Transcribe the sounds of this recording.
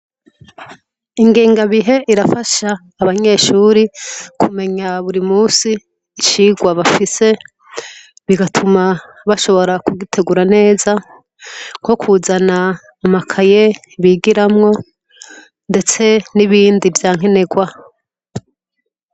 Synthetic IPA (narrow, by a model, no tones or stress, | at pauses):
iŋɡiːŋɡaβiɦe̞ʔiɾafaʃaː | βaɲe̞ʃuːɾikʰume̞ɲaβuɾimuːsiː | ʃiɡwaβafise̞ | βiɡatʰuma | βaʃo̞βo̞ɾakuɡitʰe̞ɡuɾane̞ːza | ŋko̞kʰuzanaː | makʰaje̞ | βiɡiɾamŋo̞ | nde̞t͡se̞niβiːndivjaːŋ̥e̞ne̞ɡwa